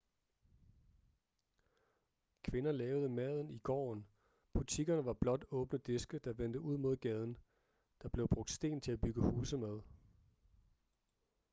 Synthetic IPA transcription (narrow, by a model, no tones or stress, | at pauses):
kʰʋe̝nɐlɛːʊðˠəmɛð̞ˠn̩iɡ̥ɒ̰ːn | b̥ut͡sʰiɡ̥ɐnəʋɑ̈b̥lɒ̽d̥ɔ̽ːb̥nəd̥e̝sɡ̥əd̥ɑ̈ʋend̥əuð̞̰ˠmo̝ð̞̰ˠɡ̥ɛð̞ˠn̩ | d̥ɑ̈b̥le̝ʊb̥ʁɔ̽ɡ̥̚d̥sd̥e̝̰ːnt͡sʰe̝læb̥yɡ̥əhuːsəmæð̞ˠ